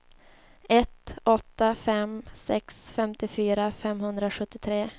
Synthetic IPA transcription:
ɛt̪ɔt̪ːafɛmsɛksfɛmt̪ɪfyːɾafɛmhɵnd̪ɾaɧɵt̪ːɪt̪ʰɾeː

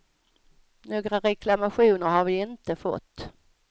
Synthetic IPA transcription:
noːɡɾaɾɛklamaɧuːnəɾɦaɾvɪɪnt̪əfɔ̰t̪ː

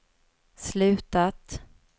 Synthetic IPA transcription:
slʉ̟ːt̪at̪

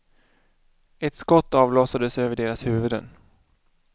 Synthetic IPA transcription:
ɛt̪skɔt̪ːɑːvloːsad̪əsøːvəɖeːɾashʉ̟ːvɵd̪ə̰n

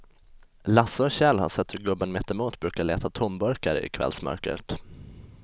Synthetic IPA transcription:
lasəɔɕɛlha̰ʂɛt̪ːhɵɾɡɵbːənmɛt̪ːɛmuːt̪bɾʉ̟ːkaɭɛːt̪at̪ʰʊmbœɾkaɾə̰ɪ̰kʰvɛ̰lsmœ̰ɾkə̰ʈ

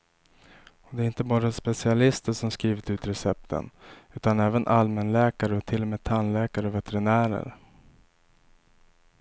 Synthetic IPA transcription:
ɔd̪ɛæɾɪnt̪əbɑːɾaspɛsɪalɪst̪əʂɔmskɾiːvɪt̪ʉ̟ːt̪ɾɛsɛp̚t̪ʰə̰nʉ̟ːt̪anɛːvənʔalmɛnlɛːkaɾəɔt̪ʰɪlːɔmeːd̪̚t̪ʰanlɛːkaɾəɔvɛt̪ɛɾɪnæːɾə̰ɾ

